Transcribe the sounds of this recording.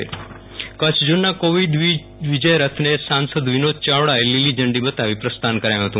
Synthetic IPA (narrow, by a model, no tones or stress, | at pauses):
kət͡ʃʰd͡ʒunːakoʋid̪ | ʋid͡ʒəjɾət̪ʰnesansəd̪ʋinod̪̚t͡ʃaʋɽaelilid͡ʒəɳɖibət̪aʋipɾəst̪ankəɾajũɦət̪ũ